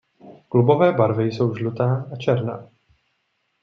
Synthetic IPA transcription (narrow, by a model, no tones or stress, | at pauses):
klubo̞vɛːbaɾvɪjso̞wʒlut̪aːʔat͡ʃɛɾna̰ː